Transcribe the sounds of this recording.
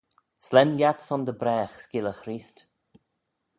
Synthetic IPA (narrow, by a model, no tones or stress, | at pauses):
slɛnjat̪sɔnd̪əbɾɛːxskɪləxɾiːst